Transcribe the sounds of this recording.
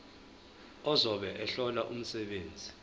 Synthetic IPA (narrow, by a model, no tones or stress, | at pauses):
ɔzɔɓɛʔɛɬɔlaʔum̩sɛɓeːnd͡zʱi